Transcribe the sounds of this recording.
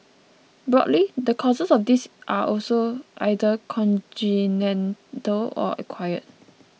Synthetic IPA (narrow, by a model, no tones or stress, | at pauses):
bɹɔ̰dlidəkʰɔzəsɔfdisʔaʔɔlsoʔa̰jdəkʰɔ̃ntinɛ̃ntəlɔ̰ʔə̰kʰwajə̰t̚